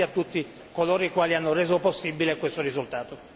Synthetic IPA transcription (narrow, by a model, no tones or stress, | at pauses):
at̪ːut̪ːi | koloːɾikwaːlianːorɛːzoposːibːilekwest̪orizult̪aːt̪o